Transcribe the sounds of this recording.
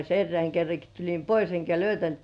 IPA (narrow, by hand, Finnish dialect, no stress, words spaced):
erːeæŋ kerːɑki tulʲim pois eŋkæ løytæntkĕæˑ